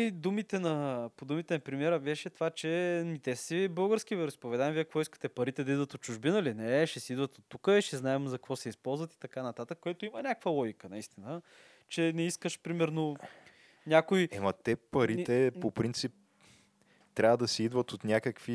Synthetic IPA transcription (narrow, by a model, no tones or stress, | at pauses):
id̪umit̪ɛnɐpod̪umit̪ɛnɐpɾimiɛɾəbɛʃɛt̪ovat͡ʃɛnʲit̪ɛssibɤlˠɡəɾskʲivɛɾspovɛd̪aɛmviɛkvɔiskə̥t̪ɛpɐɾit̪ɛd̪ɐid̪vət̪ot̪̚t͡ʃuʒbinəlinɛʃɛsɛid̪vət̪ot̪ːukəiʃɛznaɛmzɐkkvɔsɛispɔlˠzvɐt̪i̥t̪ɐkanɐt̪at̪əkːʊɛt̪oimənʲakvəlˠɔɡʲikənɐist̪inə | t͡ʃɛnɛiskəʃpɾimɛɾno | nʲakojɛmɐt̪ɛpɐɾit̪ɛpopɾint̪sip̚ | t̪ɾʲavəd̪ɐsɛid̪vət̪ot̪nʲakəkvi